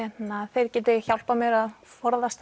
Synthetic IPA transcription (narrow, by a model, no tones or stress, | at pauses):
ɛt̪naθejɾ̥cɛːt̪ɪçjawl̥pamjɛɾaðfɔɾðast̪